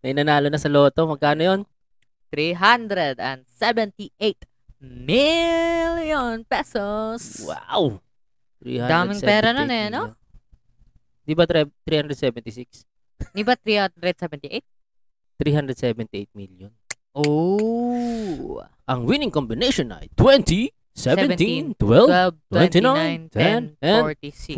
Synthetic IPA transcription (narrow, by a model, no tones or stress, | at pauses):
mɐjʔnɐnaːlonɐsɐloːt̪omɐɡ̚kaːnojon | t̪ɾiɦand̪ɾɛd̪ɐ̰nd̪sɛvɛnt̪iʔejt̪ | miljonpɛsoswa̰w | t̪ɾḭhad̪aːmɪŋpɛːɾɐnɐnɐjɐno | ɪnd̪ibɐɛt̪ɾiːhand̪ɾɛd̪̚sɛvɛnt̪ɪsiks | nibat̪ɾiaɾɛd̪̚sɛvɛnt̪iʔet̪̚ | t̪ɾiɦand̪ɾɛd̪sɛvɛ̃nt̪iet̪̚miliɔn | o | ʔaŋwinɪ̃ŋkɔmbineʃɔ̃na̰jt̪wɛ̃nt̪ʰi | sɛɛ̃nt̪int̪wɛlɛt̪wɛ̃nt̪inaajnt̪ʰɛɛnɛɔɹt̪isi